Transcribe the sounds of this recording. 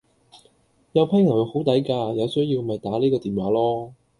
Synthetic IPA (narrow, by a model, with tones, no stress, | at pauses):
jɐ˨˧wpʰɐ˥ŋɐ˨˩wjwho˨˥wt̪ɐ˨˥jkaː˧jɐ˨˧wsɵ˥ɥjiː˧wmɐ˨jt̪aː˨˥niː˥kɔː˧t̪iː˨˩nwaː˨˥lɔː˥